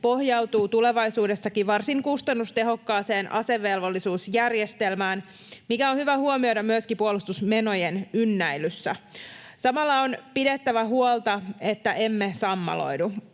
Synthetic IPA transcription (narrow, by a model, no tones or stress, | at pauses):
po̞hjɑut̪uːt̪ule̞ʋɑjsuːde̞sːɑkiʋɑrsiŋkust̪ɑnːust̪e̞ɦo̞kːɑːse̞ːnʔɑ̰se̞ʋːe̞lʋolːisuːsjærjest̪e̞lmæːn | mikæonhyʋæhuomiojdɾɑmmyəskipuolust̪usme̞no̞jenynːæjlysːæ | sɑmɑlːɑonpidet̪ːæʋæɦuolˠt̪ɑe̞t̪ːæʔe̞mːesɑmːɑ̰lo̰jdu